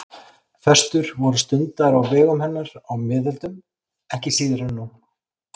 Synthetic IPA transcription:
θɛst̪ʏɾ̥vɔɾʏst̪ʏnt̪aɾawvɛːɣʏmhɛnːaɾawmɪːðɪlt̪ʏm | ɛhcɪsiːðɪɾanːu

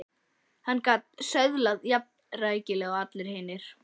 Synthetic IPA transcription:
hanːkaːt̪̚sœɥðlaðjap̚nraːjcɪlɛɣaat̪lɪɾ̥hɪːnɪɾ̥

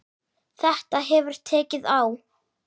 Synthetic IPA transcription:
θɛht̪aɦɛvʏɾ̥t̪ʰːɛːcɪðaw

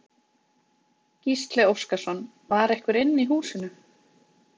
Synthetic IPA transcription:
cist̪lɛowskasɔn | vaɾɛhkvɪɾɪnːiɦuːsɪnʏ

